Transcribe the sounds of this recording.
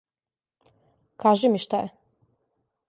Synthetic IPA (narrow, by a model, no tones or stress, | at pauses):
kʰaːʒimiʃt̪ajɛ